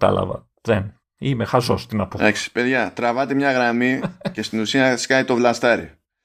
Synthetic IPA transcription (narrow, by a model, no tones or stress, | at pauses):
t̪ɐ̰lɐ̰vɐ̰ | ðen | imexɐzo̞st̪inɐpod̪ɐksi̥pe̞ðʝɐt̪ɾɐvɐt̪emɲɐɣɾɐmice̞st̪inusiɐskɐjt̪o̞vlɐst̪ɐɾḭ